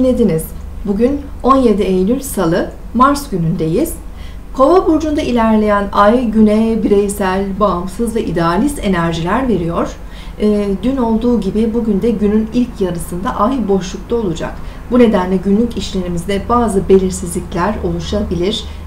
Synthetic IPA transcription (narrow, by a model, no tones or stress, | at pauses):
lʲed̪iniz̥ | buɟyn | o̞nje̞d̪iejlʲylʲsalˠɯ | maɾsɟynynd̪e̞jiz̥ | kʰo̞vabuɾd͡ʒund̪ailʲæɾlʲe̞jænajɟynɛbiɾejsælʲbaamsɯzvɛʔid̪ealʲise̞næɾʒilʲæɾve̞ɾijo̞ɾ̥ː | d̪yno̞lˠd̪uːɟibibuɟynd̪ɛɟynynilʲcʰjaɾɯsɯnd̪aʔajbo̞ʃlˠuk̚t̪ˠaolˠud͡ʒa̰k | bune̞d̪ænlʲɛɟynlʲyciʃlʲe̞ɾimizd̪ɛbaːzɯbe̞lʲiɾsizlʲiclʲæɾo̞lˠuʃabilʲiɾ̥